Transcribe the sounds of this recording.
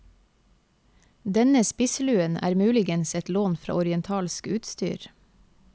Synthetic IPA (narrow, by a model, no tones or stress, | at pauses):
d̪ɛnəspɪslʉːənʔæ̰ːɾmʉːlɪɡənsɛt̪loːnfɾɑ̰ːɔɾɪɛnt̪ʰɑːlskʉːt̪st̪y̰ːɾ